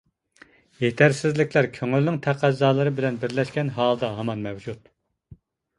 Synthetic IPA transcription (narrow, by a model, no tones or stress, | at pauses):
jet̪ʰæɾsɪzlɪkʲʰlæɾkʲʰøŋylnɪŋt̪ʰæqʰæzːɑːlˠɨɾɨbɪlɛnbɪɾlɛʃkʲɛnɦɑːlˠɨd̪ɑɦɑmɑnmɛwd͡ʒut̪